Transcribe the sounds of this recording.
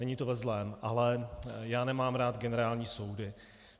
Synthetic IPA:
ɛɲiːt̪ovɛzlɛːmʔalɛjaːnɛmaːmɾaːt̪ɡɛnɛɾaːlɲiːso̞wdɪ

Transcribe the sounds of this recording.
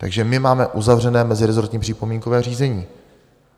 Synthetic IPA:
t̪a̰ɡʒɛmɪmaːmɛʔuzavr̝ɛnɛːmɛzɪɾɛzo̞ɾt̪ɲiːpr̥ɪpomiːŋkovɛːr̝iːzɛɲiː

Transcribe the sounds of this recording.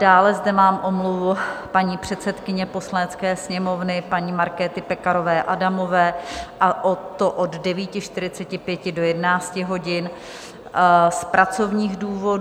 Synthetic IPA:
daːlɛzdɛmaːmʔo̞mluvʊpaɲiːpr̝̥ɛt̪sɛt̪kɪɲɛpo̞slanɛt͡skɛːsɲɛmo̞vnɪpaɲiːmaɾkɛːt̪ɪpɛkaɾo̞vɛːʔadamo̞vɛːʔaʔot̪ːo̞ʔoddɛviːcɪʃt̪ɪɾɪt͡sɛcɪpjɛcɪdo̞jɛdɛnaːt͡scɪɦo̞ɟɪn | spɾʔat͡so̞vɲiːɣduːvo̞d

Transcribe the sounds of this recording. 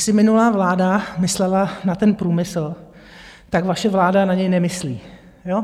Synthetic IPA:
sɪmɪnulaːvlaːdamɪslɛlanat̪ɛnpɾuːmɪsl̩ | t̪aɡvaʃɛvlaːdanaɲɛjnɛmɪslḭː | jo

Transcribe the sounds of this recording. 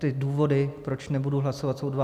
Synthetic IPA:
t̪ɪduːvo̞dɪpɾo̞t͡ʃnɛbuduɦlasovat̪sowdva

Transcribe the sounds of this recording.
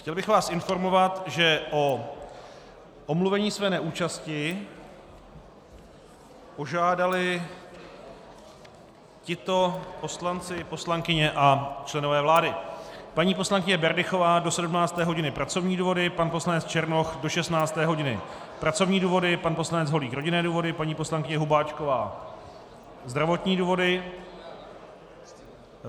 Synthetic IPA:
xcɛlbɪxvaːsʔɪnfo̞ɾmo̞vat̪ʒɛʔo | ʔomluvɛɲiːsvɛːnɛʔuːt͡ʃascɪ | po̞ʒaːdalɪ | cɪt̪o̞po̞slant͡sɪpo̞slaŋkɪɲɛʔat͡ʃlɛno̞vɛːvlaːdɪpaɲiːpo̞slaŋkɪɲɛbɛɾdɪxo̞vaːdo̞sɛdumnaːt͡st̪ɛːɦo̞ɟɪnɪpɾat͡so̞vɲiːduːvo̞dɪpanposlanɛt͡st͡ʃɛɾnoxdo̞ʃɛst̪naːt͡st̪ɛːɦo̞ɟɪnɪ̰ | pɾat͡so̞vɲiːduːvo̞dɪpanpo̞slanɛd͡zɦo̞liːxɾo̞ɟɪnɛːduːvo̞dɪpaɲiːpo̞slaŋkɪɲɛɦubaːt͡ʃkovaː | zd̪ɾavo̞t̪ɲiːduːvo̞dɪ

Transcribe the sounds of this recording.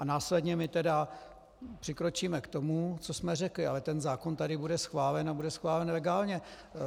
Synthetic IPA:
ʔanaːslɛdɲɛmɪt̪ɛda | pr̥ɪkɾo̞t͡ʃiːmɛkt̪o̞mut͡so̞smɛr̝ɛklɪalɛt̪ɛnzaːkont̪adɪbudɛsxvaːlɛnabudɛsxvaːlɛnlɛɡaːlɲɛ

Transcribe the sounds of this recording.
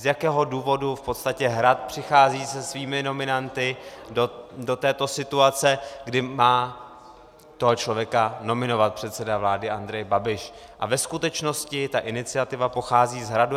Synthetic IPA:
zjakɛːɦo̞duːvo̞dufpo̞t̪st̪acɛɦɾat̪̚pr̝̥ɪxaːziːsɛsviːmɪno̞mɪnant̪ɪodo̞t̪ɛːt̪o̞sɪt̪uat͡sɛɡdɪmaː | t̪oɦot͡ʃlo̞vjɛkano̞mɪno̞vat̪̚pr̥ɛt̪sɛdavlaːdɪʔand̪ɾɛjbabɪʃ | ʔa̰vɛskut̪ɛt͡ʃno̞scɪt̪aʔɪnɪt͡sɪat̪ɪvapo̞xaːziːzɦɾadu

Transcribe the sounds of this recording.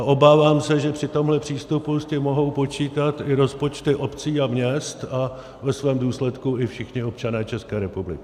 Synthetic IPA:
aʔo̞baːvaːmsɛʒɛpr̝̥ɪt̪o̞mɦlɛpr̝̥iːst̪upuscɪmo̞ɦo̞wpo̞t͡ʃiːt̪at̪ɪɾo̞spo̞t͡ʃt̪ɪʔo̞pt͡siːamɲɛst̪a | vɛsvɛːmduːslɛt̪kuɪfʃɪxɲɪo̞p̚t͡ʃanɛːt͡ʃɛskɛːɾɛpublɪ̰kɪ

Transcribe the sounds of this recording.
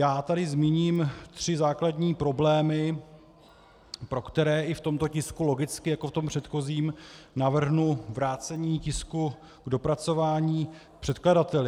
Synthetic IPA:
jaːt̪adɪzmiːɲiːmt̪r̝̥ɪzaːkladɲiːpɾo̞blɛːmɪ | pɾo̞kt̪ɛɾɛːʔɪft̪o̞mt̪o̞cɪskulo̞ɡɪt͡skɪjakoft̪o̞mpr̥ɛt̪xo̞ziːmnavr̩ɦnuvɾaːt͡sɛɲiːcɪsku | ɡdo̞pɾat͡so̞vaːɲiː | pr̝̥ɛt̪kladat̪ɛlɪ

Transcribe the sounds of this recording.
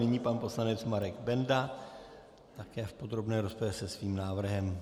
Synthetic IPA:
nɪɲiːpanpo̞slanɛt͡smaɾɛɡbɛnda | t̪akɛːfpo̞d̪ɾo̞bnɛːɾo̞spovjɛsɛsviːmnaːvr̩ɦɛm

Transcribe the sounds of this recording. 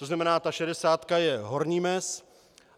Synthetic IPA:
t̪oznamɛnaːt̪aʃɛdɛsaːt̪kajɛɦo̞ɾɲiːmɛs

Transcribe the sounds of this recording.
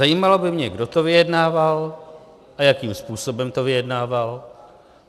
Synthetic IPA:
ajiːmalo̞bɪmɲɛɡdo̞t̪o̞vɪjɛdnaːval | ʔajakiːmspuːso̞bɛmt̪o̞vɪjɛdnaːval

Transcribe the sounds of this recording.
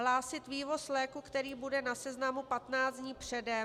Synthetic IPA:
ɦlaːsɪt̪viːvo̞slɛːkukt̪ɛɾiːbudɛnasɛznamupat̪naːt͡sdɲiːpr̝̥ɛdɛ

